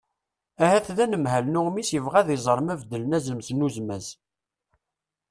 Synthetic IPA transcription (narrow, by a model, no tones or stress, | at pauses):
æhæθðænəmhælnʊʁmisjəvʁæðɪzˤəɾˤmævd̪ːələnæzəmsnuzmæz